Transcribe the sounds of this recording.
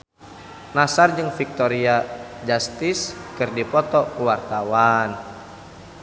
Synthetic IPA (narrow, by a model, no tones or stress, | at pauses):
nasard͡ʒɨŋfik̚t̪ɔɾiad͡ʒast̪iskɨrdipɔt̪ɔkuwart̪awan